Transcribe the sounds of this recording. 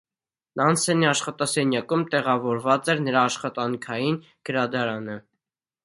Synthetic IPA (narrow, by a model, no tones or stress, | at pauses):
nɑnsɛniɑʃχɑt̪ɑsɛnjɑkumt̪ɛʁɑvɔɾvɑt͡sɛɾnəɾɑːʃχɑt̪ɑŋkʰɑjin | ɡ̥əɾɑd̪ɑɾɑnə